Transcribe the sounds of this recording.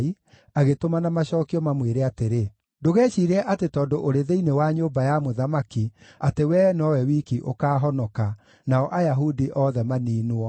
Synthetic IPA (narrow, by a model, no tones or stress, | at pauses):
i | aɣetomanamaɕɔːkiɔmamweɾeateɾe | doɣɛːʃiːɾɛʔatetɔːndoʔoɾeðeinewaɲombajamoðamakiatewɛːnɔwɛwiːkiʔokaːɦɔnɔka | naɔʔajaɦudiʔɔðɛmaniːnwɔ